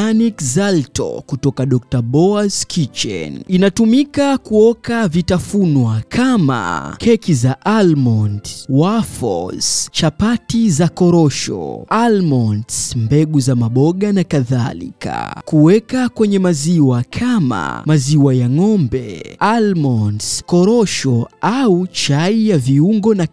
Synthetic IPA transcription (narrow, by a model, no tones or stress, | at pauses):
anikzaltɔ̰kutɔkaɗɔk̚taɓɔazkʰit͡ʃɛ̰ninatumikakuɔkavitafunwakʰama̰kʰɛkizaʔalmɔndwafɔ̰z̥t͡ʃapatizakɔɾɔʃɔ̰almɔndmbɛɠuzamaɓɔɠanakaðalḭka̰kuwɛkakwɛɲɛmaziwakʰama̰maziwajaŋɔmbɛ̰almɔnskɔɾɔʃɔaut͡ʃaijaviuŋɡɔna